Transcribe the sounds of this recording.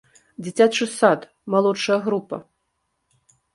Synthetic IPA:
d͡zʲit͡sʲat͡ʂɨsat̪ | malˠɔt͡ʂːɐjɐɣɾupɐ̰

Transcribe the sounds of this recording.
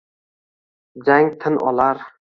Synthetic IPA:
d͡ʒaŋt̪ʰɪnʔɒ̰laɾ

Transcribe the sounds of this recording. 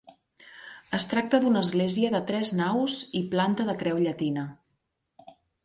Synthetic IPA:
əst̪ɾak̚t̪əðunəːzɣleziəðət̪ɾɛznawziplant̪əðəkɾɛwʎət̪inə

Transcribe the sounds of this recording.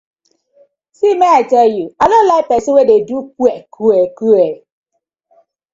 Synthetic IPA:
simeaɪtɛljuadonlapɛsɪ̃wededukuɛkʰuekue

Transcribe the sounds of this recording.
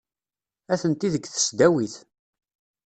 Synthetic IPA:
æθənt̪iðəɡθə̥sd̪æwiθ

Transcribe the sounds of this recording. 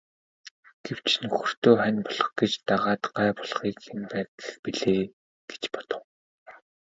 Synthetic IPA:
ɡ̥ew̥t͡ɕʰnɵxɵ̆r̥t̪oːχænʲpɔɮɞ̥̆χɡet͡ɕt̪aʁaːt̪ɢaːpɔɮχiːkenpæːt̪ə̥̆xpiɮeː | ɡ̥e̥t͡ɕpɔ̥t̪ɞ̆w

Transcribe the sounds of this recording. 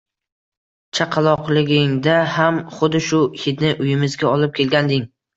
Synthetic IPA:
t͡ʃʰaqʰɑlˠɒqlˠɪɡʲɪŋd̪ahamχʊd̪ɪʃʊhʲɪt̪nɪʔʊjɪmɪzɡʲaɒlɪp̚kʲʰe̞lɡʲand̪ɪŋ

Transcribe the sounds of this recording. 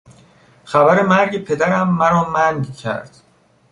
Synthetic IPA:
xæbæɾemæɾɟepʰe̞d̪æɾæmːæɾɒːmæŋɡcʰæ̰ɾd̪̥

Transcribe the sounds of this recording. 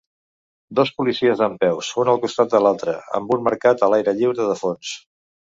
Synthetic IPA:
d̪ɔspulisiəzðəmpɛwsfunəlˠkust̪at̪̚d̪əlalˠt̪ɾə̰ə̰mbunməɾkat̪əlajɾəʎiwɾəðəfons

